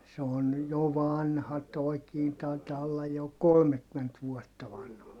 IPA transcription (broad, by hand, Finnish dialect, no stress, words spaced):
se on jo ʋɑnhɑ toi̯kiː tɑi̯tɑː olːɑj jo kolmekːyment ʋuɔtːɑ ʋɑnhɑ